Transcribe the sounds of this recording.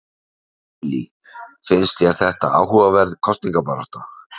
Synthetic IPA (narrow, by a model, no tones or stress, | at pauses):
li | fɪnst̪jɛɾ̥θɛht̪aa̰ːwɦuvavɛɾðkʰɔst̪niŋkapaɾɔht̪a